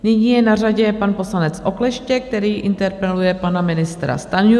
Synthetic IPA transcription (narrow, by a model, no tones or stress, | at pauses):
nɪɲiːjɛnaraɟɛpanpo̞slanɛt͡sʔo̞klɛʃcɛk̚t̪ɛɾiːʔɪnt̪ɛɾpɛlujɛpanamɪnɪst̪ɾa̰st̪anu